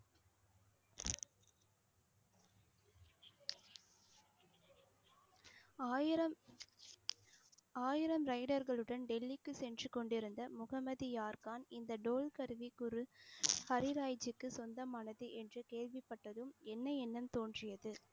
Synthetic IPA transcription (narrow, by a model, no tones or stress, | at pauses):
ɐ | aːjɪɾɐmɾɐɪɽɐɾɣɐɭɯɽɐnɖɛlːɪkːɯsɛndrɯkɔɳɖɪɾɯnd̪ɐmʊɣɐmɐðijaːɾkaːnɪnd̪ɐɖoːlkɐɾɯʋikːʊɾɯhɐɾɪɾaːjd͡ʒɯkːɯsɔnd̪ɐmaːnɐðɯʔɛndrɯkeːɻʋɪpːɐʈːɐðɯmɛnːɐɛnːɐmt̪oːndrɪjɐðɯ